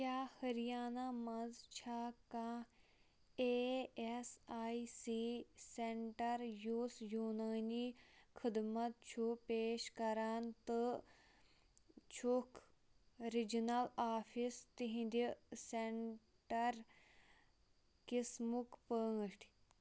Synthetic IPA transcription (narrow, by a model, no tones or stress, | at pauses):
kʲaːhɐɾijaːnamɐzt͡ʃʰaːkã | eːsaːisiseɳʈɐɾjuːsjuːnaːnikʰid̪mɐt̪̚t͡ʃʰupeːʃkɐɾaːnt̪ɨ | t͡ʃʰuk | ɾid͡ʒnɐlaːfʰist̪iɦĩnd̪iseɳ | ʈɐɾ | kismukpəːʂʈʰ